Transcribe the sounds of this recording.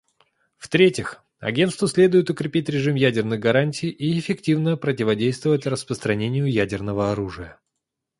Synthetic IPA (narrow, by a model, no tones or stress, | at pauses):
ft̪ɾʲetʲɪx | ɐ̰ɡʲe̞nt̪st̪vəsʲlʲe̞d̪ʊjɪt̪ʊkɾʲɪpʲitʲɾʲɪʐɨmjædʲɪrnɨɣɡɐɾanʲtʲijʔiɪfʲɪktʲivnəpɾətʲɪvɐdʲejst̪vəvətʲrəspɾəst̪ɾɐnʲenʲɪjʊjædʲɪrnəvəɐɾuʐɨjə